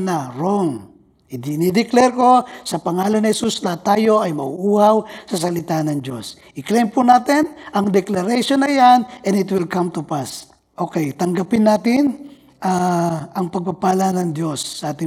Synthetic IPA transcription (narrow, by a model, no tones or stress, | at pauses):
naɾoŋ | d̪nid̪ɛklɛɾko̞sɐpɐŋaːlɐnhɛsuslat̪aːjo̞ʔɐjmɐʔuʔuːhawsɐs̬ɐlɪt̪anɐŋd͡ʒo̞s | ʔɪklejmpunaːt̪ɪnʔɐŋd̪ɛklɐɾɛʃonɐjanʔɛnɪt̪wɪlkamt̪upas | ʔokɛjt̪ɐŋɡapɪnːaːt̪ɪn | ʔaʔɐŋpɐɡ̚papaːlɐnɐŋd̪josːɐʔaːt̪ɪ